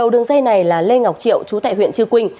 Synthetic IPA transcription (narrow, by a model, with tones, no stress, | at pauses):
ə˨˩wɗɨ˨˩əŋzə˧jna˨˩jlaː˨˩le˧ŋa˨˩k͡p̚t͡ɕḭ˧˨əwt͡ɕu˨˦t̪a̰ː˧˨jhwḭ˧˨ənt͡ɕɨ˧kwï˧ŋ̟